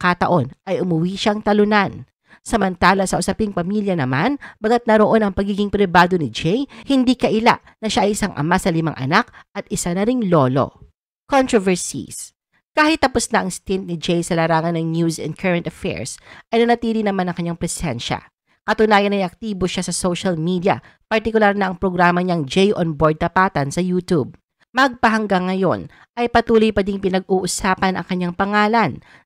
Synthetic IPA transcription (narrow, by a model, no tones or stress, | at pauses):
kat̪ɐʔo̞nʔɐjʔʊmʊwiːʃaŋt̪ɐlʊnan | sɐmɐnt̪aːlɐsɐʔʊsɐpɪŋpɐmiljɐnɐmanbɐɡɐt̪̚nɐɾoʔonɐŋpɐɡiːɡɪŋpɾɪbaːd̪o̞nɪd͡ʒɛjhɪnd̪iːkɐʔɪla̰ʔ | nɐʃaʔɐjʔɪsaŋʔɐ̰masɐlɪma̰ŋʔɐ̰nak̚ɐt̪̚ɪsanɐɾɪŋlo̞lo̞̰ | kont̪ɹovɛɹsḭs | kaːhɪt̪ːɐposnɐʔɐŋst̪int̪̚nɪd͡ʒɛjsɐlaɾaːŋɐnːɐŋnjuzɛ̰nd̪kʰɛɹɐnt̪ɐfɛ̰ɹsʔɐjnɐnɐt̪iːlɪnɐmanɐŋkɐɲːaŋpɾɛsɛ̰nʃɐ̰ | kɐt̪ʊnaːjɐnɐjɐk̚t̪iːboʃasɐsoʃɐlmid̪iɐ̰ | pɐɾt̪ɪkʊlaɾnɐʔɐŋpɾoɡɾaːmɐɲaŋd͡ʒɛjʔonboɹd̪̚t̪ɐpaːt̪ɐnsɐjuːt̪ub̚ | mɐɐɡ̚pɐɦɐŋɡaŋːɐjo̞̰n | ʔɐjpɐt̪uːlojpɐd̪ɪŋpɪnɐɡ̚uːʔʊsaːpɐnɐ̰ŋkɐɲːaŋpɐŋaːlɐn